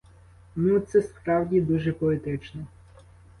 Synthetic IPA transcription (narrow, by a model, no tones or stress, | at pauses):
nut̪sɛspɾɑwdʲid̪uʒɛpɔet̪ɪt͡ʃnɔ